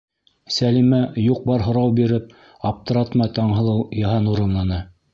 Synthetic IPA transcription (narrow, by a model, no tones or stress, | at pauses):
sælimæjuq̚bɑɾɦŏɾɑwbiɾɘp̚ | ɑp̚t̪ɤ̆ɾɑt̪mɑjt̪ɑɴɦɤ̆lˠɤwjɑɦɑnuɾɤ̆nlˠɑnɤ